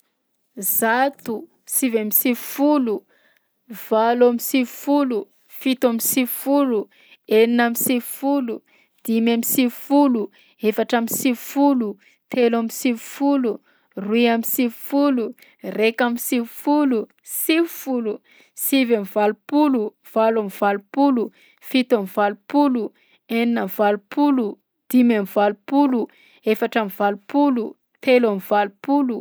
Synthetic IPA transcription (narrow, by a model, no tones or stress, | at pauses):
zat̪u | sivamisivfulu | v̥alamisivfulu | fit̪uamisifulu | eninamisivfulu | d̪̥imamisifulu | efaʈ͡ʂamisivfulu | t̪ʰelamisivfulu | ruiamisivfulu | rekamisivfulu | sivufulu | sivamivalupulu | v̥alamvalupulu | fit̪amivalupulu | eninamvalupulu | d̪̥imamivalupulu | efaʈ͡ʂamivalupulu | t̪elamivalupulu